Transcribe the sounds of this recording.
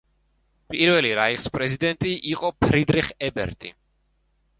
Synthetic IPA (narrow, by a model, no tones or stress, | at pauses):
pʼiɾvɛliɾaiχspʼɾɛzid̪ɛnt̪ʼiʔiqʼɔpʰɾid̪ɾiχɛbɛ̰ɾt̪ʼḭ